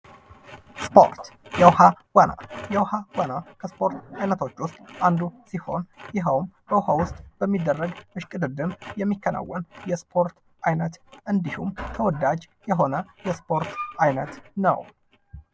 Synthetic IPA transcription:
spo̞̰ɾt̪jɛwhaw̥ana̰jɛwhawanakʰəspʰo̞ɾt̪ajnət̪ʰo̞t͡ʃːwʊst̪ʼʔand̪usiho̞̰njɪɦəwmbəwhawʊst̪ʼb̥əmːid̪ːərːəɡmɨʃkʼɨd̪ɨd̪ɨmjɛmːikʰːəna̰wːɔnjɛspʰo̞ɾt̪ | ʔajnət̪ʔɨnd̪ihumt̪ʰəwɔd̪ad͡ʒ | jɛɦo̞nəjɛspʰo̞ɾt̪ʔajnət̪nə̰w

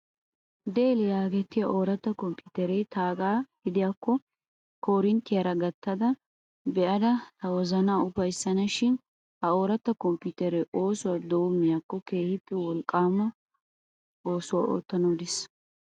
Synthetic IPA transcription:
d̪eːlɪjaːɡɛt̪ːɪjɐʔoːɾɐt̪ːɐkɔmpɪt̪ɛɾɛjt̪aːɡaːɡɪd̪ɪjaːkːɔ | kɔɾɪnt̪ːɪjɐɾɐɡɐt̪ːɐd̪ɐ | bɛʔɐd̪ɐt̪ɐwɔzɐnaːʊfɐjsːɐnɐʃɪn | hɐo̞ːɾɐt̪ːɐkɔmpʊt̪ɛɾɛʔo̞ːsʊwad̪owʊmːɪjakːɔkeːhɪt̪ːɪwɔlkʼːaːmːɐ | o̞ːsʊwa̰ːʔo̰ːt̪ːɐnod̪ɪs

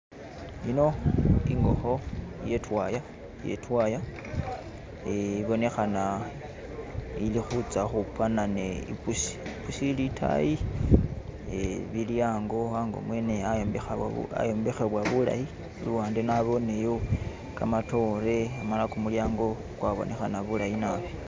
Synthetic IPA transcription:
ino̞iŋɡo̞̰xo̞je̞twaja | je̞̰twaja | eiβo̞ne̞xana | ilixut͡saxupwanane̞ḭpusi̥pusilitʰa̰ji | eβiljaːŋɡo̞aŋɡo̰mwe̞ne̞ajombexaa̰jombe̞xe̞βwaβula̰ji | luaːndenaβo̞ne̞jo | ka̰mato̞ɾe̞amalakumuljaːŋɡo̞ | kwaβo̰nʔe̞xanaβulajinaβe

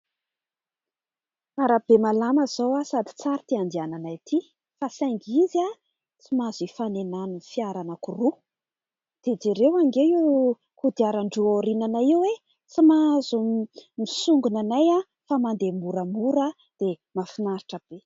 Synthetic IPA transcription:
aɾab̥emalaməz̥owasad̪i̥t͡saɾit̪iand̪iananajt̪ʰi | fasaŋɡizia | t͡simazifanenanunifiaɾanəkuru | d̪̥ed͡zeɾewaŋɡewiw | kud̪iaɾaɳɖ͡ʐuoɾinanaiwwe | t͡simazummisuŋɡunanaja | famand̪emuɾəmuɾa | d̪̥e | mafinaɾiʈ͡ʂəb̥e

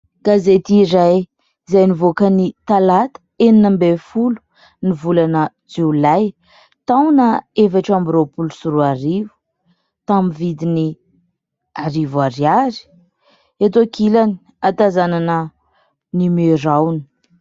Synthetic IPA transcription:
ɡ̥azet̪iːɾaj | zajnivokənit̪alat̪ə̥eninəmbefulu̥ | nivulanə | d͡ʒulaj | t̪awnəefaʈ͡ʂambiɾopulusuɾuaɾivu̥ | t̪amivid̪ini | aɾivaɾiaɾi̥ | et̪okʰilani̥ | at̪azananə | nimeɾawni̥

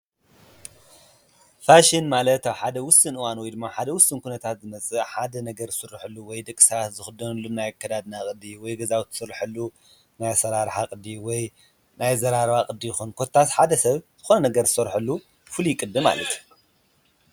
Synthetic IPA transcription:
faʃinmalɐt̪awħad̪ɐwʊsɨnɨwanwɔjd̪ɨmːaħad̪ɐwʊsɨnkʰunɐt̪ʰat̪zɨmɐt͡sʼɨħad̪ɐnɐɡɐɾɨsɨrːɨħɨlːuwɔjd̪ɐkʼɨ̥sat̪zɨxɨd̪ɐnɨlːunajakʰːɐd̪ad̪nakʼɨd̪ːiwɔjɡɐzawt̪ʰɨ̥sɨrɨħɨlːu | najasɐɾaɾħakʼɨd̪ːiwɔj | najzɐɾaɾβakʼɨd̪ːijɪxunkʰot̪ʰːat̪ħad̪ɐsɐβz̥ɨxonɐnɐɡɐɾzɨsɨɾħɨlːu | fɨlujɪkʼɨd̪ːɨma̰lɐ̰t̪

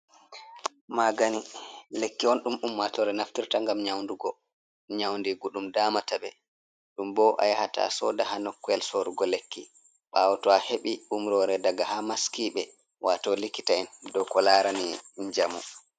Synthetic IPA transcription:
maɡanilekːiɔnɗumɗumːatɔɾɛnaftiɾtaŋɡamɲawnduɡɔ | ɲawndiɡuɗumdaːmataɓɛ | ɗumbɔʔa̰jhata̰sɔ̰dahanɔkːɔɛlsoɾuɡɔlekːi | ɓawɔtɔaheɓiumɾɔɾɛdaɡahamaskiɓɛ | wʔatɔlikːitaɛndɔkɔlaɾaniɲd͡ʒamṵ

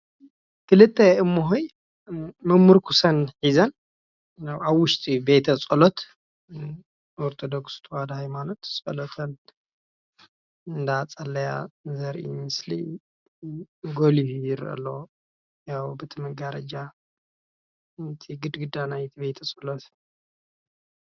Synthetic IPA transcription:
kɨlɨt̪ʼːeɨmːoɦoj | mɨmːuɾkʰusɐnħizɐn | jawawːʊʃt̪ʼibet̪ʰɐt͡sʼolot̪ | ʔoɾt̪ʰod̪okst̪ʰwad̪ahajmanot̪sʼɐlot̪ʰɐn | ɨnd̪aat͡sʼɐlːɐja̰zɐɾʔḭɨslḭ | ɡolihjɪɾɐ̰lːo | jawbɨt̪ʰɨmɨɡaɾɐd͡ʒa | t̪ʰiɡɨd̪ɡɨd̪anajt̪ʰibet̪ʰɐsʼolot̪

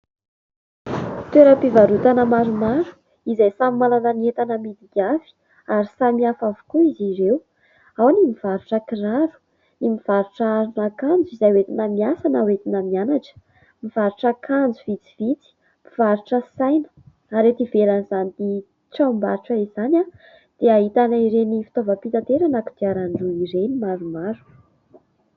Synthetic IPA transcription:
t̪weɾəpivaɾut̪anəmaɾumaɾu̥ | izajsamimalanəniet̪anəmid̪iɡʲavi̥ | aɾisamiafavu̥kuiziɾew | awnimiv̥aɾuʈ͡ʂəkiraɾu̥ | nimiv̥aɾuʈ͡ʂaaɾunakand͡zuizajwet̪inəmiasanəwet̪inəmianaʈ͡ʂə̥ | miv̥aɾuʈ͡ʂakʰand͡zuvit͡si̥vit͡si̥ | miv̥aɾuʈ͡ʂəsajnə̥ | aɾet̪iveɾanizanini | ʈ͡ʂamba̰ɾiʈ͡ʂəizanʲa | d̪̥eaɦit̪anaiɾenifi̥t̪ovəpit̪at̪eɾanakud̪iaɾaɳɖ͡ʐuiɾenimaɾumaɾu̥

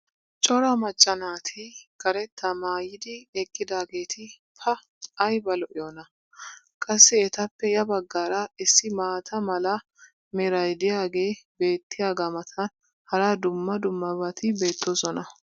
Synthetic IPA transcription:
t͡ʃʼɔɾɐmɐt͡ʃʼːɐnaːt̪ʰɪkɐɾɛt̪ːɐmaːjɪd̪ɪɛkʼːɪd̪aːɡe̞ːt̪ʰɪ | pʰɐː | jbɐlɔʔɪjoːnɐ | kʼɐsːɪɛt̪ɐpːɛjɐbɐɡːaːɾɐɪsːɪmaːt̪ʰɐmɐlɐ | mɛɾɐjd̪ɪjaːɡe̞ːbe̞ːt̪ːɪjaːɡɐmɐt̪ʰɐn | hɐɾaːd̪ʊmːɐd̪ʊmːɐbɐt̪ɪbe̞ːt̪ːosɔnɐ

